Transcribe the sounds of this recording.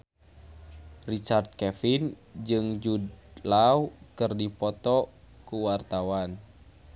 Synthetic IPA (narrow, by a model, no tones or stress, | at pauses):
rit͡ʃard̪̚kɛfin | d͡ʒɨŋd͡ʒudlawkɨrdipɔt̪ɔ | kuwart̪awan